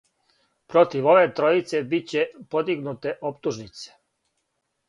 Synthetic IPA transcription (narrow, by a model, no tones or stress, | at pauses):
pɾo̞t̪iʋo̞ʋe̞t̪ɾo̞it̪sebit͡ɕepo̞d̪iɡnut̪eʔopt̪uʒnit̪se̥